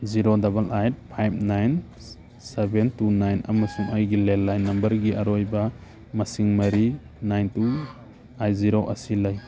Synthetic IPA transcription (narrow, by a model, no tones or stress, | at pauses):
ziɾodɐbɐlʔajt̚pʰajb̚ʰnajn | sebentunajnɐ̰mɐsuŋajɡilelːajnːɐmbɐɾɡiʔɐɾojba | mɐsiŋmɐɾi | najntu | ajziɾoʔɐ̰silaj